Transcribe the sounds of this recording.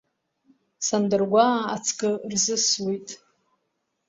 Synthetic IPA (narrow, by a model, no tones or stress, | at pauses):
sandɨrɡʷaat͡sʰkʼɨrzɨswejtʼ